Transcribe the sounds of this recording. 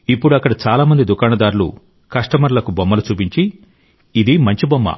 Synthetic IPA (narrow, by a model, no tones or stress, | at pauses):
ipːuɽuɐkːɐɽɐt͡ʃaːlaːmɐnd̪id̪ukaːɳɐd̪aːɾulṵ | kɐʂʈɐmɐɾulɐkubɔmːɐlut͡ʃuːpiɲt͡ʃiː | d̪imɐɲt͡ʃibɔmːɐ̰